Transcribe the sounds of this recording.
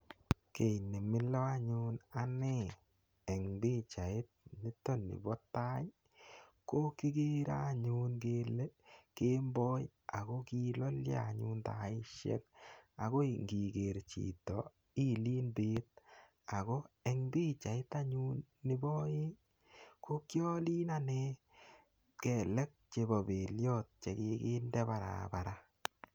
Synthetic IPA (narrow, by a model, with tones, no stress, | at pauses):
ke˨jnɪ˨mɪ˦lɔ˦a˦ɲu˦na˦nɪ˦ | ɛ˨ŋbi˦t͡ʃa˨ɪ˦t̚nɪ˦tɔ˦nɪ̰˨bɔ˦ta˦j | ko˦ki˦ɡe˦ɾa˦˨ɲu˦nke˦le˦ke˦mbɔ˦j | a˨ɡɔ˦ki˦lɔ˦lja̰˨ɲṵ˦nta˨ɪ˦ʃɛ̰˦ka˨ɡo˦ŋɡi˨ɡe˨ɾt͡ʃḭ˨tɔ˨ | i˦li˦nbe˦t̚ | a˨ɡo˦ɛ˨ŋbi˦t͡ʃa˨ɪ˦ta˦ɲu˦nːɪ˦bɔ˦je˦ | ko˦kjɔ˦li˦na˦ne˦ | kɛ˨lɛ˦k̚t͡ʃe˨bɔ˨be˨ljɔ˦t̚t͡ʃe˨ke˨kɪ˦ndɛ˦ba˨ɾa̰˨ba˨ɾa˦